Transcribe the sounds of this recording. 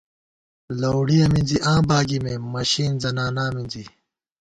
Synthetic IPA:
lɐwɽiɐmĩnd͡ziʔãːbaːɡimemɐɕiːnzɐnaːnamind͡zi

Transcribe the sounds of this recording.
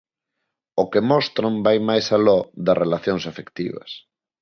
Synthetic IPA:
ʊkemɔst̪ɾombajmajsalɔðɐrʔelaθjoŋsafekt̪ḭβɐ̰s

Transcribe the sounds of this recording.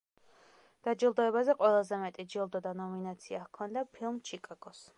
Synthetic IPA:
d̪̥ad͡ʒilˠd̪ɔɛbazɛqʼwɛlˠazɛmɛt̪ʼid͡ʒilˠd̪ɔd̪anɔminat̪sʰiahkʰɔnd̪apʰilˠmt͡ʃʰikʼaɡ̥ɔs

